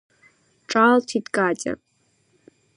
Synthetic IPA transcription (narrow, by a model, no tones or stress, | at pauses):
ʈ͡ʂʼaltʰidkʼatʲʼa̰